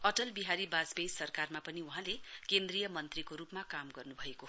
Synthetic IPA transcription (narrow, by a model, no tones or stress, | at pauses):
ʌʈʌlbiɦaɾibad͡zbejsʌrkarmapʌniuɦãlekend̪rijʌmʌnt̪rikoɾupmakamɡʌrnubʱʌeko